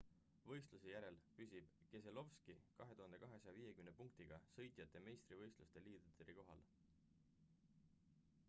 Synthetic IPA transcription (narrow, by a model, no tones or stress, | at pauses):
vɤ̞jst̪lusejæɾe̞lpys̬ʲib̥ke̞se̞lo̞vskikɑɦe̞t̪uɦɑnd̪e̞kɑɦe̞sɑjɑviːje̞kymnepuŋk̚t̪iɡ̥ɑsɤ̞jt̪ˑijɑt̪ːˑe̞me̞jst̪rivɤjst̪lust̪e̞liːd̪̥ut̪eɾiko̞ɦɑ̰l